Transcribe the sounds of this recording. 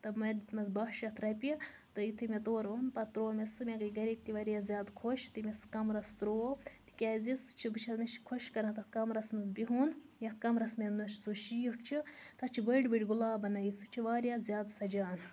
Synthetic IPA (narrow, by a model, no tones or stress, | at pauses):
t̪ɐmɐd̪it̪mɐzbɐʃɐt̪ʰɾɐpʲi | t̪ɨjit̪ʰɨmʲet̪oːɾonpɐt̪ɾoːmesɨmʲeɡɐɡɐɾik̚t̪iʋɐɾjazʲjaːd̪kʰoʃt̪imʲeskɐmɾɐst̪ɾoːt̪i̥kʲaːzʲisɨ̥t͡ʃʰibɨt͡ʃʰɐzmeʃi̥kʰoʃkɐɾɐt̪ɐt̪ʰkɐmɾɐsmɐzbiɦunjɐt̪ʰkɐmɾɐsmʲenɐt͡ʃʰsuʃijiʈt͡ʃʰit̪ɐt͡ʃʰibəɖbiʈʲɡulaːbɐnɐjisɨt͡ʃʰiʋaːɾjaːzʲjaːd̪sɐd͡ʒaːn